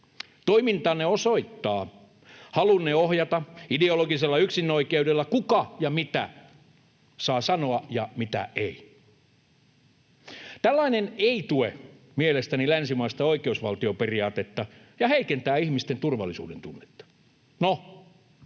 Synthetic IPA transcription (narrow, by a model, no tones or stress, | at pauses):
t̪oimint̪ɑːnːeosoit̪ːɑː | hɑlunːeohjɑt̪ɑideoloɡiselːɑyksinːoikeudelːɑkukɑjɑmit̪æ̰ | sɑːsɑnoɑjɑmit̪æ̰ʔei | t̪ælːɑineneit̪ue | mielest̪ænilænsimɑist̪ɑoikeusʋɑlt̪ioperiɑːt̪et̪ːɑ | jɑheikent̪æːihmist̪ent̪urʋɑ̰lːisṵːdent̪unːet̪ːɑ̥ | no